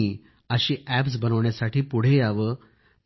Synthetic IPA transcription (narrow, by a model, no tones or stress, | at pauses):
i | əɕiːʔæpsbənəʋɳjasaʈiːpuɽ̤ejaʋə